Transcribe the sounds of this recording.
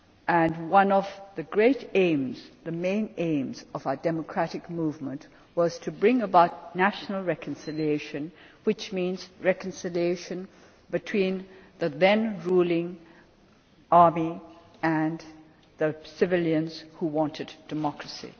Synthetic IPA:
ʔɨ̃nwʌ̃nʌvðɨɡɹeɪɾẽɪ̃mzðɨmẽɪ̃nẽɪ̃mzʌvaʊə˞dɛməkʰɹ̥æɾɨkmuvmə̃nʔ | wʌz̥tʰɨbɹɪ̃ŋəbaʊtⁿnæʃn̩l̩ˠɹɛkə̃n̩sɪlieɪʃɨ̃n | wɨt͡ʃmĩnz̥ɹɛkɨ̃nsɪlieɪʃɨ̃n | bɨtʰw̥ĩnðɨðɛ̃nɹulˠɪ̃ŋ | ɑɹmiɨ̃n | ðɨsɨvɪlˠjɨ̃nz̥huwɑ̃ntʰɨdd̥ɨmɑkɹɨsḭ

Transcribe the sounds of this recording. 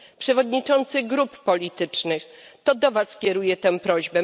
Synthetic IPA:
pʂɛvɔd̪ɲit͡ʂɔnt̪sɘɡɾupːɔlʲit̪ɘt͡ʂnɘxt̪ɔd̪ɔvaskʲjɛɾujɛt̪ɛw̃pɾɔʑbɛ

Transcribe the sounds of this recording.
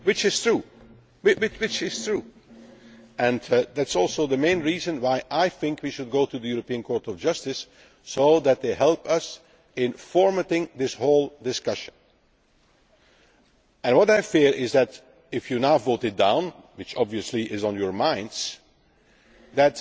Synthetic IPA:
wɪt͡ʃɪz̥tʰɹu | wɪwɪwɪt͡ʃɪz̥tɹu | ɨ̃nðætsɔlˠsoʊðəmẽɪ̃nɹiːzə̃nwaɪʔaɪθɪ̃ŋkʰwiʃɨd̚ɡoʊtuðɨjuɹəpiə̃nkʰɔɹtɔvd͡ʒʌstɨsː | oʊðɨt̪̚ðeɪɦɛlˠpʌs | ɪ̃nfɔɹmətɪ̃ŋðɪshoʊlˠdɨskʌʃə̃n | ɨ̃nwʌɾaɪfiɹʔɪzðɨt | ɪfjɨnavoʊtɨd̚dãʊ̃nwɨt͡ʃɑbviɨsliʔɪzn̩jə˞mãɪ̃ndz̥ | ðæt

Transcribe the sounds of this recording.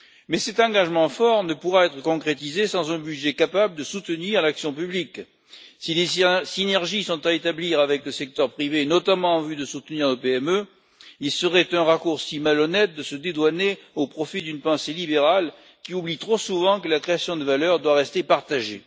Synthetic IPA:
mɛsɛt̪ɑ̃ɡaʒmɑ̃fɔʁnəpuʁaɛt̪χəkɔ̃kχet̪̬izesɑ̃zɛ̃bydʒɛkapabləd̪əsut̪əniʁlaksjɔ̃pyblik | silesinɛʁʒisɔ̃t̪aet̪abliʁavɛkləsɛk̚t̪œʁpχivenɔt̪amɑ̃ɑ̃vyd̪əsut̪niʁnopeɛmø | ilsəʁɛt̪ɛ̃ʁakuʁsimalɔnɛt̪̚d̪əsəd̪ed̪waneopχɔfid̪ynpɑ̃selibeʁal | kʲiublit̪χosuvɑ̃kəlakχeasjɔ̃d̪əvalœʁd̪waʁɛst̪epaʁt̪aʒe

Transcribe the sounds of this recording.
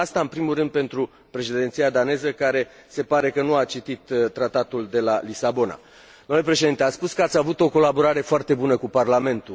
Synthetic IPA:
ast̪aɨnpɾimurɨnd̪̚pe̞nt̪ɾu | pɾe̞ʃed̪ent̪sijad̪ane̞zəkaɾe̞ | se̞paɾe̞kənuat͡ʃit̪it̪t̪ːɾat̪at̪uld̪e̞lalisabo̞na̰ | d̪omlepɾe̞ʃ̬e̞d̪int̪eat̪spuskəat̪sʲavut̪o̞ko̞labo̞ɾaɾe̞foart̪e̞bunəkuparlame̞nt̪u

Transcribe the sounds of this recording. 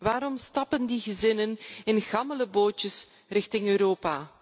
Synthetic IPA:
ʋaːɾɔmstɑpəndiɣəzɪnənɪnɣɑmələboːtəs | rɪxtɪŋøːɾoːpaː

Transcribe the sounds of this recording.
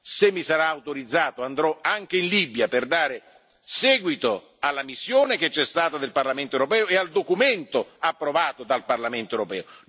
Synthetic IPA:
semːisaɾaːwt̪oɾid̪zːaːt̪oand̪ɾɔaŋk̟einlibjaperd̪aːɾe | sɛːɡwit̪o | alːamisːjoːnek̟et͡ʃːɛst̪aːt̪ad̪elparlament̪oewɾopɛːoeald̪okument̪oapːɾovaːt̪od̪alparlament̪oewɾopɛːo

